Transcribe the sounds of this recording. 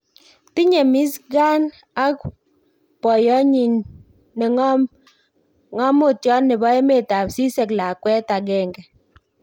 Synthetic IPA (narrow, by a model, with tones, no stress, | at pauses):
ti˦ɲe˨mi˦s̬ɡa˦n | a˦k̚ | pɔ˨jɔ˦ɲi˨n | ne˨ŋ˦m | ŋɔ˦mo˦˨tjɔ˦nːe˨bɔ˨˦e˦me˦˨ta˨psi˦se˨kla˨kwɛ˦ta˨ɡɛ˦˨ŋɡɛ˨